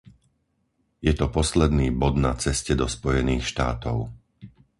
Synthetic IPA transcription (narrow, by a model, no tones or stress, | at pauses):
jɛt̪ɔpɔslɛd̪niːbɔd̪nat͡sɛscɛd̪ɔspɔjɛniːxʃt̪aːt̪ɔʊ